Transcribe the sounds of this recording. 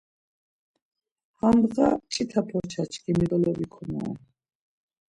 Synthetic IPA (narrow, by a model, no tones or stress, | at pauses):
hambʁat͡ʃʼit̪ʰapʰɔɾt͡ʃʰat͡ʃʰkʰʼimid̪ɔlɔbikʰɔma̰ː